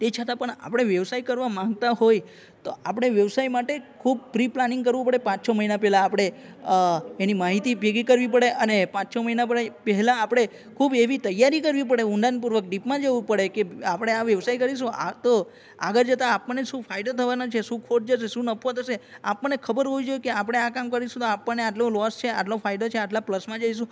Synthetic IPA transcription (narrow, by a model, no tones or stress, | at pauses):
t̪et͡ʃʰət̪ãpəɳa̰pɽ̃eʋjəʋsaikəɾʋamãŋɡ̚t̪aɦoj | t̪oʔapɽ̃eʋjəʋsaimaʈekʰub̚pɾiplanĩŋɡkəɾʋũpəɽepãt͡ʃsʰoməɦinapɛɦlaːpɽ̃e | enimaɦit̪ibʱeɡikəɾʋipəɽeʔənepãt͡ʃsʰoməɦinapɛɦɛlãːpɽ̃e | kʰubeʋit̪əjːaɾikəɾʋip̬əɽeũnɖ̪anpuɾʋək̚ɖipmãd͡ʒəʋũpəɽekeapəɽ̃eaʋjəʋsaikəɾiʃũa̰t̪o | a̰ɡəɾd͡ʒət̪aːpːəɳneʃũfʰaiɖot̪ʰəʋanot͡ʃʰeʃũkʰoʈ̚d͡ʒəʃeʃũnəpʰʋot̪ʰəʃeapːəɳekʰəbəɾɦoid͡ʒojekeapəɽ̃eakamkəɾiʃũt̪oapːəneaʈlõlɔst͡ʃʰea̰ʈlofʰaiɖot͡ʃʰeaʈlapləsmãd͡ʒaiʃ̬ũ